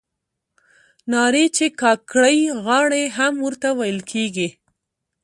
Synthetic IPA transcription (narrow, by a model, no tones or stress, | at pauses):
nɑɾet͡ʃekɑkɽəjɣɑɽeɦamwəɾt̪awajəlkʰeɡi